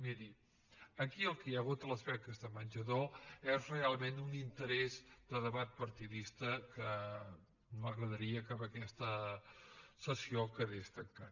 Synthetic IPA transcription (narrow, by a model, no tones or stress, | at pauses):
miɾi | əkiəlˠkəaɣut̪ələspɛk̚t̪əzðəmənʲʒəðoɛzrealˠmenunint̪əɾɛzd̪əðəβat̪̚pəɾt̪iðist̪əkə | nməɣɾəðəɾiəkapəkɛst̪ə | səsiokəðest̪əŋkat̪